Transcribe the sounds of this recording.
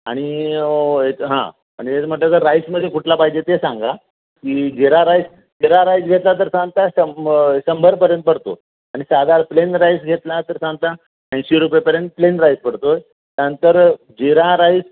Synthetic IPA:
aɽ̃i | eɦã̰ | a̰ñiet͡sm̤əʈlat̪əɾɾajsməd̪ʱjekʰuʈlapaɦid͡ʑet̪esãŋɡa | kid͡ʑeɾaɾajs | d͡ʑeɾaɾajsɡʱet̪lat̪̬əɾsãŋɡt̪aɕəɕəmbʱəɾpəɾjənt̪̚pəɽt̪o̰ | aɽ̃isad̪ʱaɾplenɾajsɡʱet̪lat̪əɾsãŋɡt̪a | pə̃ɕiɾupjepəɾjənt̪̚plenɾajspəɽt̪oj | t̪jaɾnənt̪əɾ | d͡ʑeɾãɾajs

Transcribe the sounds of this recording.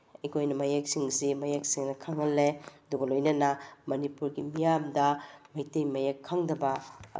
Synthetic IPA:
ikʰojnɐmɐjak̚siŋsimɐjak̚siŋnɐkʰaŋɐlːeɐduɡɐlojnɐnɐmɐnipuɾɡimijamdɐmɐjtejmɐjakʰːaŋdɐbɐ̰

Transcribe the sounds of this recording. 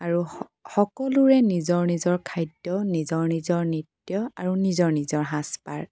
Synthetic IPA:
aɹu | xɔkɔluɹɛnizɔɹnizɔɹkʰajdjɔnizɔɹnizɔɹnitjɔaɹunizɔɹnizɔɹɦãspa̰ɹ

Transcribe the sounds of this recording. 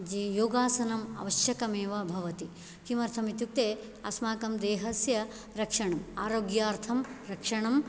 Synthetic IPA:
d͡ʒijoːɡaːsɐnɐmɐ̰ʋɐʃjɐkɐmeːʋɐbʱɐʋɐt̪i | kimɐɾt̪ʰɐmit̪juk̚t̪eː | ɐ̰smaːkɐmd̪eːɦɐsjɐ | ɾɐkʂɐɳɐmaːɾoːɡjaːɾt̪ʰɐmɾɐkʂɐɳɐm

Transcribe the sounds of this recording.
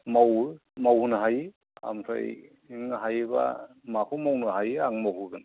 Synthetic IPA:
mawɾmawnaɦaj | a̰msʰa̰j | ŋɦajba̰ | makʰumawnɯɦajaŋmawɦuɡɯn

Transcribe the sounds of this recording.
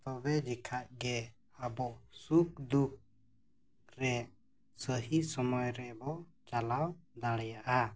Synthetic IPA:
t̪ɔbɛd͡ʒɛkʰaʔɡɛ | əbɔsuk̚d̪uk̚ | ɾɛ | səɦisɔmɔjɾɛbɔ | t͡ʃalawd̪aɽɛjaʔa

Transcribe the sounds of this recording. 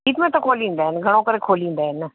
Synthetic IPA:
iːt̪mẽt̪ɐkʰoːlĩːnd̪aːɦɛnɡʱɐɽ̃õkəɾekʰoːlĩːnd̪aɦɛn

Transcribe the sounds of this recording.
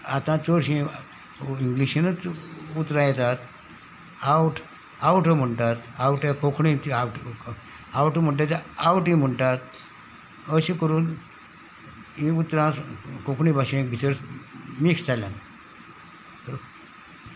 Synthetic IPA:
at̪ãt͡səɽɕĩ | iŋɡliɕinət͡sut̪ɾãjɛt̪at̪ | awʈʰ | awʈʰəm̤əɳʈ̪at̪awʈẽkʰokʰɳĩt̪iawʈ | awʈʰəm̤əɳʈ̬at͡sawʈĩm̤əɳʈ̪at̪ | əɕĩkəɾuːn | ĩut̪ɾãkõkʰɳĩbʱaɕẽbʱit͡səɾmikst͡salan | əɾo

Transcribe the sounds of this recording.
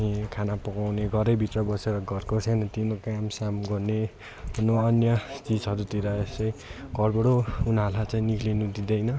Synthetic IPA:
ĩkʰanapʌkawneɡʱʌɾʌjbʱit̪rʌbʌseɾʌɡʱʌrkosʰajnʌt̪inokamsamɡʌrne | unoʌnjʌt͡sid͡zɦʌɾut̪iɾʌest͡sʌĩɡʱʌrbʌɽounalat͡sãĩnikʰlinud̪id̪ʌjnʌ

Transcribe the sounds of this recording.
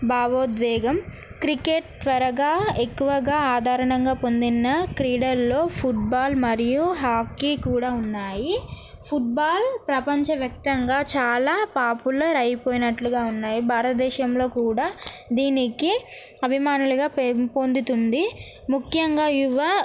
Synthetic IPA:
baːʋoːd̪ʋɛːɡɐm | kɾikeʈ̚t̪ʋɐɾɐɡaːekːuʋɐɡaːaːd̪ʱaːɾɐɳɐŋɡaːpo̞nd̪inːɐkɾiːɽɐɾlo̞ːpʰuʈ̚baːlmɐɾijuɦaːpʰkikuːɽaːunːaːji | pʰuʈ̚baːlpɾɐpɐɲt͡ʃɐʋjɐk̚t̪ɐŋɡaːt͡ʃaːlaːpaːpulɐɾɐjipoːjinɐʈluɡaːunːaːjibʱaːɾɐt̪ɐd̪ɛːʃɐmlo̞ːkuːɽaː | d̪iːniki | ɐbʱimaːnuluɡaːppo̞nd̪ut̪und̪i | mukʰjɐŋɡaːiʋɐ

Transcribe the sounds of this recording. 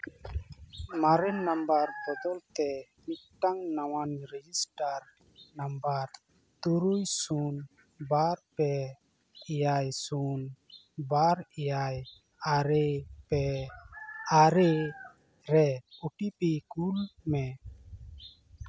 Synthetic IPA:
maɾɛnnːambaɾbɔd̪ɔlt̪ɛ | mikʈaŋnawanɾɛd͡ʒisʈaɾ | nambaɾ | t̪uɾujsun | baɾpɛ | ijajsun | baɾijaj | aɾepɛ | aɾe | ɾɛuʈipikulmɛ

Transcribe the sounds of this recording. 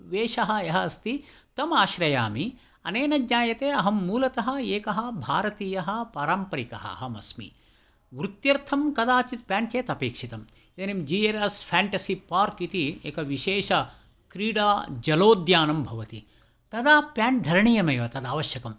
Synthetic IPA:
ʋeːʃɐɦɐ̆jɐɦɐːst̪it̪ɐmaːʃɾɐjaːmi | ɐneːnɐd͡ʒɲaːjɐt̪eːɐɦɐmːuːlɐt̪ɐɦɐ̆eːkɐɦɐ̆bʱaːɾɐt̪iːjɐɦɐ̆paːɾɐːmpɐɾikɐ̰ɦɐ̰ɐ̰ɦɐmɐsmḭ | ʋɾut̪jɐɾt̪ʰɐmkɐd̪aːt͡ʃit̪̚pjaːɳkeːt̪ɐpeːkʂit̪ɐm | it̪ɐnimd͡ʒiːeɾɐspʰaːɳʈɐsipaːɾkit̪iḛːkɐʋiʃeːʃɐ | kɾiːɽaːd͡ʒɐloːd̪jaːnɐmbʱɐʋɐt̪i | t̪ɐd̪aːpjaːɳd̪ʱɐɾɳijɐmɐjʋɐt̪ɐd̪aːʋɐʃjɐkɐm

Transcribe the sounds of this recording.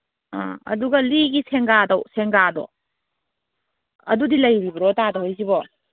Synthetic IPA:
a̰ɐ̰duɡɐliɡisʰeŋɡadɐwseŋɡadɔ̰ | ɐ̰dudilɐjbibɐɾɔtadɐwhojsibɔ

